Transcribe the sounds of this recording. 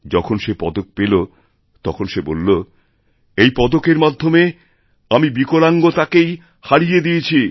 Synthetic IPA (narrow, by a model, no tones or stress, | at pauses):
d͡ʑɔkʰonʃepɔd̪ok̚pelo | t̪ɔkʰonʃebolːo | ejpɔd̪okeɾmad̪ʱːome | amibikolaŋɡot̪akej | haɽijed̪ijet͡ɕʰi